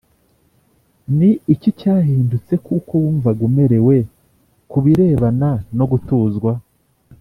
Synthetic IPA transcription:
niicicaːɦiːndut͡se̞kʰukuuɱvaɡume̞ɾe̞we̞ | kuβiɾe̞ːβanano̞ɡutuːzɡwa

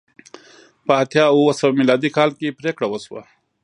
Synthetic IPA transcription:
pat̪ʰjaːuwɐsɐwmilaːd̪ikaːlkipɾeːkɽawɐswa̰

